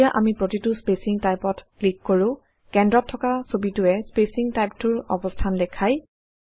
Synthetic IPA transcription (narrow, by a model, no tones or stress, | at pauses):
jaʔamipɹotitʊspesiŋtajpɔtklikːɔɹʊ̃ | kɛndɹɔtʰːɔkasobitʊɛspesiŋtajp̚tʊɹɔ̰bɔstʰandɛkʰaj